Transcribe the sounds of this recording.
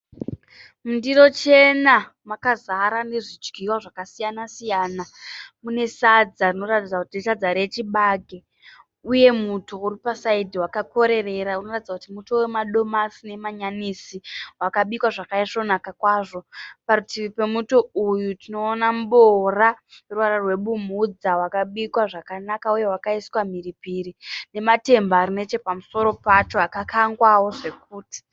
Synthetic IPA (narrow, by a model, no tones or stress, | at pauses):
mundiɾo̞t͡ʃe̞na | makazaɾane̞ʐid͡ʒɡʱiwaʐakasijanasijaːnamune̞sad͡zarino̞ratid͡zakutiitad͡zaɾe̞t͡ʃiɓaːɡʱe̞ | uje̞mutʰouripasaidiwakako̞ɾe̞re̞ɾaunoratid͡zakutimuto̞we̞maɗo̞masine̞maɲanisiwakaɓikwaʐakaiʂo̞nakakwaːʐo̞paɾutiʋipe̞mutoujutino̞ːnamɓoraruaɾarwe̞ɓumud͡zawakaɓikwaʐakanakauje̞wakaiswam̤iripiɾine̞mate̞mbaːrine̞t͡ʃe̞pamuso̞ɾo̞pat͡ʃo̞akakʰaŋɡwawo̞ʐe̞k̚uːti̥